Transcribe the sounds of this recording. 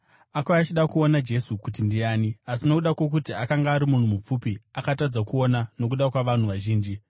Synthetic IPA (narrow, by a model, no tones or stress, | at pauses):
akwaat͡ʃiɗakuo̞nad͡ʒe̞sukut̬indiaːniasinokuɗakwo̞k̬utiakaŋɡaːɾimun̤umup͡fupiakatad͡zakuo̞nano̞k̬uɗakwaʋan̤uʋaʒiːnd͡ʒi